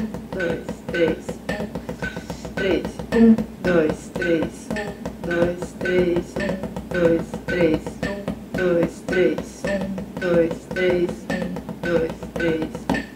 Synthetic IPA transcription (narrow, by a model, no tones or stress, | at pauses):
d̪ojst̪ɾejs | t̪ɾesd̪ojst̪ɾesd̪ojst̪ɾesd̪ojst̪ɾesd̪ojst̪ɾe | d̪ojst̪ɾesd̪̥ojst̪ɾes